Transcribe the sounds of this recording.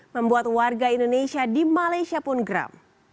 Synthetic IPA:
məmbuat̪̚warɡaindonesiadimalajsiapʊnɡɾa̰m

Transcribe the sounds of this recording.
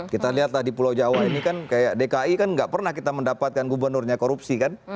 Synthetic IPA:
kit̪aliɦat̪lahdipulawd͡ʒawainikankajaʔdekaikanŋɡaʔpərnahkit̪aməndapat̪̚kanɡubərnʊrɲakoɾupsikan

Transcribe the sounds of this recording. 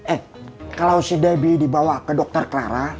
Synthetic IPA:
ɛh | kalawsidɛbidibawakədɔk̚t̪ərkəlaɾa

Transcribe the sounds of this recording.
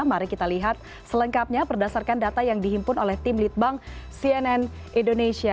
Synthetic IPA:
maɾɛkit̪aliɦat̪̚ | sələŋkap̚ɲapərdasarkandat̪ajaŋdiɦimpʊnolɛht̪ɪmlit̪̚baŋsiɛnɛn | indonesia

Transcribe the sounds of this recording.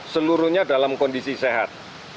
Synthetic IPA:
səluɾuɲadalamkɔndisiseɦat̪̚

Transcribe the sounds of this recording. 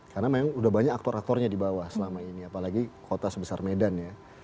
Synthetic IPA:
karnamajaŋudahbaɲakak̚t̪ɔɾak̚t̪ɔrɲadibawahsəlamainiapalaɡikot̪asəbəsarmedanja

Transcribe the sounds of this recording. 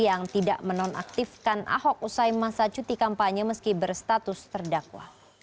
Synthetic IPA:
jaŋt̪ida̰ʔmənɔna̰k̚t̪ifkanʔa̰ɦɔk̚usajmasat͡ʃut̪ikampaɲəməskibərst̪at̪ʊst̪ərdakwa̰

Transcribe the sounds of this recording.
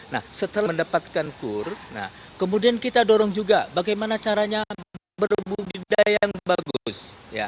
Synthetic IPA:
na̰hsət̪əlaməndapat̪̚kankʊrna̰hkəmudiankit̪adoɾɔŋd͡ʒuɡabaɡajmanat͡ʃaɾaɲa | bərbubidajaaŋbaɡʊsja̰

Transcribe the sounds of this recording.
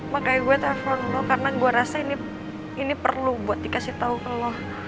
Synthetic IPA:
makajaɡuɛt̪afɔrmɔkarənaɡuɛɾasaini | inipə̰rlubuat̪̚d̪ikasiht̪aukəlɔh

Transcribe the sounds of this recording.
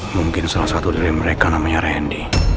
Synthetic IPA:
muŋkɪnsalahsat̪udiɾiməɾekanamaɲaɾɛndi

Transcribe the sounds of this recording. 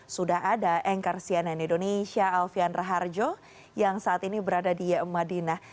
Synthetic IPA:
sudahadaʔɛŋkarsiɛnɛnindoneʃiaːlfianraɦard͡ʒo | jaŋsaːt̪inibəɾadadimadinah

